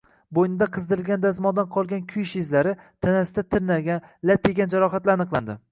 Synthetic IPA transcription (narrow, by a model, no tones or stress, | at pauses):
bojnɪd̪aqʰɨzd̪ɨɾɪlɡʲand̪azmɒnd̪anqʰɒlˠɡʲankʲʰʊjʃɪzlaɾɪt̪ʰanasɪd̪at̪ʰɪɾnaɡʲanlap̚jeɡʲand͡ʒaɾɒχat̪laɾanɨqlˠa̰nd̪ɪ